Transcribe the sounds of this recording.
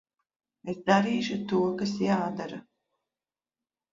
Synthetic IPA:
esd̪aɾiːʃut̪uɔkasjaːd̪aɾa

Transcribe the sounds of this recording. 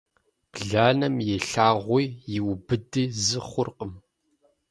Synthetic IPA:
b̥ɮaːnɐmjɛɬaːʁʷijjɪwbɨdɨzɨχʷʊrqəm

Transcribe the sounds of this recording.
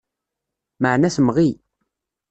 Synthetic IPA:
məʕnæsmʁi

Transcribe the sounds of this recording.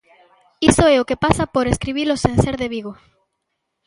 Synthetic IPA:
isoeokepasapoɾeskɾiβilosenseɾðeβiɣo

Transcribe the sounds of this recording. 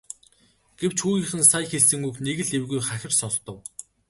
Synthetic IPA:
ɡ̥ew̥t͡ɕxuːɣiːχɘ̆nsajxeɮsɘ̆ŋukneɣɘ̆ɮewɣujχaxʲɪ̆rsɔɮt̪ɞ̆w

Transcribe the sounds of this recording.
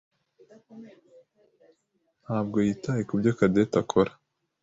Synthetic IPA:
n̥haːb̚ɡo̞jiːtajekubɟokadetakʰoɾa

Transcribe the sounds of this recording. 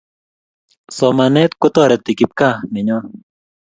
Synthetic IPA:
somanet̪kut̪oɾet̪ːikip̚kameɲo

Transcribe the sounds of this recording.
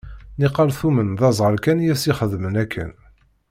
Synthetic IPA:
niqːɑlθumənðɑzˤʁəɾkænjæsiχəðmənækʰːə̰n

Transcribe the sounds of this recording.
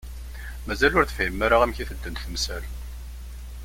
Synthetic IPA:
mæzælʊɾθə̥fjəmːæɾaʁæmçiθəd̪ːənt̪θəmsæl

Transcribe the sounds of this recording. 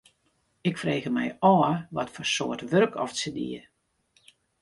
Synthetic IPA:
ɪkfreːɣəmɛ̰jɔːəʋɔtfɔrsoːərtʋørkʰɔ̰fsədḭə

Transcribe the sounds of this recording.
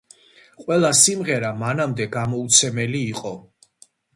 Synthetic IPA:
qʼwɛlˠasimʁɛɾamanamd̪ɛɡamɔut̪sʰɛmɛliːqʼɔ

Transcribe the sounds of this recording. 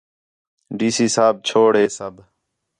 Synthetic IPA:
ɖiːsiːsaːb̚t͡ʃʰoːɽɦeːsəb

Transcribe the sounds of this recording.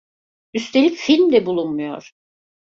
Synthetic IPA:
yst̪ʰelʲicfilʲmd̪ɛbulˠunmujo̞̰ɾ̥

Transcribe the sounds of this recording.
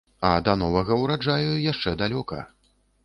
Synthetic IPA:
ɐd̪ɐnɔvɐɣɐwɾad͡ʐajujaʂt͡ʂɛd̪alʲɔkɐ̰

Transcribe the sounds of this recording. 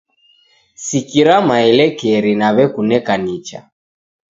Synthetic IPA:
sikiɾamailɛkɛɾinaβɛkunɛkanit͡ʃa̰

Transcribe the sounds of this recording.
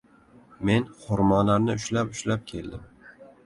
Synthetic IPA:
me̞nχʊɾmɒlaɾnɪʊʃlapʊʃlap̚kʲʰe̞ld̪ɪm

